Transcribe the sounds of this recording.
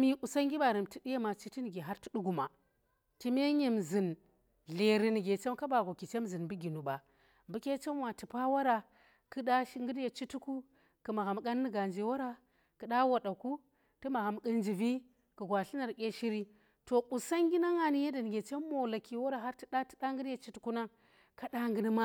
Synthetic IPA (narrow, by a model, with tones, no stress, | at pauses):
mi˦ʔu˨sa˦ŋɡʲi˦ba˨ɾi˨mti˨di˦ja˦ma˨t͡ʃi˦ti˦ni˨ɡe˨ɦa˦ɾti̥˦ɗu˦ɡu˨ma˨ | ti˦me˦ɲe˨mzi˨n | ɮe˨ɾi˨ni˨ɡe˨t͡ʃe˦mka˦ba˨ɡo˨ki˨t͡ʃe˦mzɨ˨nbu˦ɡʲi˨nu˨ba˨ | mbu˦kʲe˦t͡ʃe˦mwa˨ti˨pa˦wa˦ɾa˨ | kɨ˦ɗa˦ʃi˦ŋɡɨ˦dje˨t͡ʃi˦tu˦ku˦ | kɨ˨ma˨ɣa˨mɡa˦nːɨ˦ɡa˨nd͡ʒi˨wa˦ɾa˦ | kɨ˨ɗa˦wa˨ɗa˨ku˦ | ti˦ma˨ɣa˨mkə˦nd͡ʒi˨vi˦ | kɨ˨ɡwa˨ɬi˦na˨ɾkʲe˦ʃi˦ɾi˦ | to˨ɓu˨sa˦ŋɡʲi˦na˦ŋa˨ni˦je˦da˨n˨ɡʲe˨t͡ʃe˦mːo˨la˨ki˨wa˦ɾa˨ɦa˦ɾti˦da˦ti̥˦ɗa˦ŋɡɨ˦dje˨t͡ʃi˦tu˨ku˦na˦ŋ | ka˦da˦ŋɡɨ˦ni˦ma˦